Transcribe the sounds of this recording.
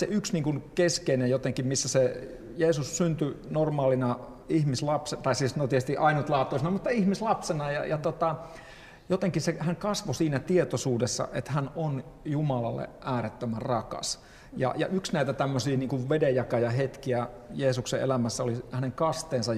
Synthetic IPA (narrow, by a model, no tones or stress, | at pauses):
seyksniːŋkunkeskeinejjot̪eŋkimmisːæse | jeːsussynt̪ynormɑːlinɑ | ihmislɑpset̪ɑisiːsnot̪ieest̪iʔɑinut̪lɑːt̪ːˑoisinɑmut̪ːɑihmislɑpsenɑjɑ̰jɑt̪ot̪ɑ | jot̪eŋkisehæŋkɑsʋosiːnæt̪iet̪osuːdesːɑ̰ʔet̪hænon | jumɑlɑlːḛʔæːɾet̪ːømærɑkɑ̰s | jɑ̰jɑ̰ʔyksnæit̪æt̪æmːøsiːniːŋkuʋʋedejjɑkɑjɑhet̪kiæjeːsuksḛʔḛlæmæsːæolihæneŋkɑst̪eːnsɑ